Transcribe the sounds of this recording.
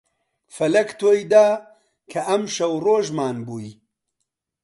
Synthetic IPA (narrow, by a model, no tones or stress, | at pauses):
fɐlɐkt̪ʰoːjd̪aː | kʰɐʔɐmʃɐwroːʒmaːnbuːji